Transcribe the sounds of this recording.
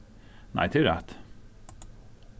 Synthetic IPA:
næ̰ɪt̪ʰɪɾæ̰t̪

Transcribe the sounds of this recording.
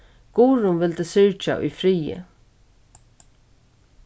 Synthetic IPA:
ɡ̥uːɹʊmvɪlt̪əsɪɹt͡ʃa̰ʔʊ̰jfɾiːə̰

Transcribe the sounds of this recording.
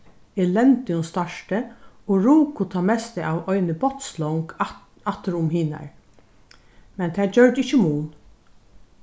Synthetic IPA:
elɛnt̪ɪʊnst̪aʂʈəoːɹuːkʊt̪ʰɑːmɛst̪ɪʔaːʋɔɪnɪbɔt̪slɔŋk | at̪əɾʊmɦiːna̰ɹ | mɛnt̪ʰɛːd͡ʒœɹd̪ɪht͡ʃːəmuːn

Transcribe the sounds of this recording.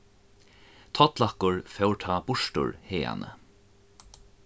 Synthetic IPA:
t̪ʰɔt̪lakʊɹfœwɹʈʰɑːbʊʂtʊ̰ɹheːa̰nə̰

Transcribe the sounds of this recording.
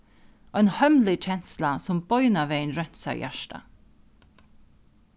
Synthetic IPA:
ɛnhœmlɪc͡çʰɛnslɑsɔmb̥ɔʏnɑʋeɪnɾœnt̪sæ̰jʔæ̰ʃʈɑ̰

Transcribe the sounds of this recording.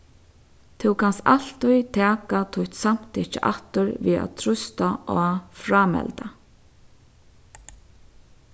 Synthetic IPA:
t̪ʰɪwkʰanst̪al̥t̪ɔjt̪ʰɛːkat̪ʰʊht̪sam̥t̪ɪht͡ʃəʔaht̪ʊɾvḭːa̰t̪ʰɾʊst̪aʔofɾaːmɛ̰lt̪a

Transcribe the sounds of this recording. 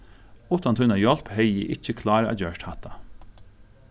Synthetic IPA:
ʊt̪ɑnt̪hʉnɑjɔlphɛɪjiːʔɪçəkʰlɑːɾɑ̰ːd͡ʒøːʃʈhæt̪ʰɑ

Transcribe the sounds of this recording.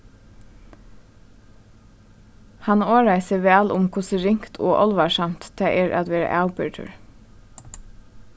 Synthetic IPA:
hɑnoːɹæɪsəʋæːlʔʊmkʰʊsɹɪŋkt̪ʰo̰ːʔɔlʋɑʃɑmt̪t̪ʰæːʔeːɹʔɑ̰d̪ʋeːɹə̰ʔæʊbɪʈʰʉ̰ɹ

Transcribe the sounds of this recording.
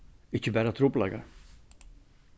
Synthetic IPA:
ɪçəbæɾət̪ʰɾʊːplɑːɡəɾ

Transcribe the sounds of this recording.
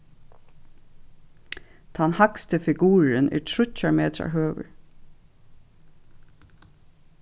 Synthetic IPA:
t̪ʰɑnhɑkst̪ʰəfɪɡuːɹənʔḛːtʰɹʊcɑɹmeːt̪ɾɑ̰høːʋə̰ɹ

